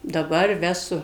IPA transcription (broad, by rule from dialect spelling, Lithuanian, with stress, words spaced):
dɐˈbɐr ˈʋʲæːsʊ